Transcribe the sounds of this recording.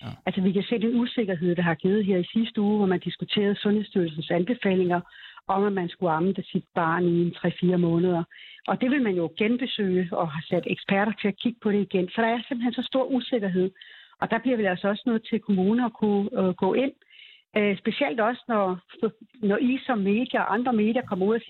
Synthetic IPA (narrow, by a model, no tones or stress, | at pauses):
ælsəʋikæse̝̰ːd̥enuse̝ɡ̥ɐɦe̝ð̞̰ˠd̥ɑ̈ɦɑ̈ɡ̥iːð̩ˠɦeɐ̰isisd̥əuːʋɒmænd̥isɡ̥ut͡sʰe̝̰ːɐð̞̩ˠsɔ̽nhe̝sd̥yɐ̰lsn̩sænb̥e̝fɛ̰ːle̝ŋɐʔɒ̽mæmænsɡ̥uɑ̈mnd̥əsid̥b̥ɑ̈ːnient͡sʰʁɛ̰ːfiːɐmɔ̽ːnəð̞ˠɐʔɒ̽d̥e̝ʋe̝lmænjo̝ɡ̥enb̥e̝sø̰ːɒ̽ɦɑsæd̥eɡ̥spæɐ̰ɾɐt͡sʰe̝ækʰiɡ̥əpʰɒ̽ɾ̥e̝iɡ̥ensɒ̽ɾ̥ɑ̈æɐsemb̥̩hensɒsd̥o̝ɐ̰ʔuse̝ɡ̥ɐɦe̝ð̰ˠʔɒ̽d̥ɑ̈b̥liɐʋejɒsəɒ̽sənɔ̽ːð̩ˠt͡sʰe̝lkʰo̝muːnəɒkʰuɡ̥ɔ̰ːʔe̝n̰ | sb̥e̝ɕiel̰d̥ɒ̽sənɒ | nɒʔisɒ̽mːe̝̰ːd̥jɐɒʔɑ̈nd̥ʁɐme̝̰ːd̥jɐkʰɒ̽m̰ɐuð̰ˠæsi